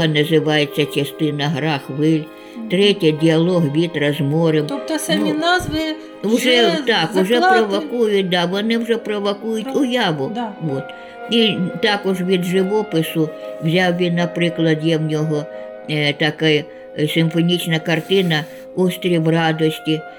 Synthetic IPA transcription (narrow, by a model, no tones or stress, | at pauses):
ɐnɐzɪʋɑjet͡sʲːɐt͡ʃɐst̪ɪnɐɦɾɑxʋɪlʲ | t̪ɾɛtʲɛdʲiɐlˠɔɦʋʲit̪ɾɐzmɔɾemɔt̪sɐnmʲinɑzʋɪ | wʒɛt̪ɑkʊʒɛpɾɔʋɔkujʊt̚ʲd̪ɑʋɔnɪwʐɛpɾɔʋɔkujʊtʲʊjɑʋʊʋɔt̪ | it̪ɑkɔʒʋʲid̪ʒɪʋɔpɪsʊwzʲawʋʲinːɐpɾɪklˠɐd̪jɛwnʲɔɦɔ | t̪ɐkaj | sɪmfɔnʲit͡ʃnɐkɐrt̪ɪnɐ | ɔst̪ʲɾʲiwrɑd̪ɔsʲtʲi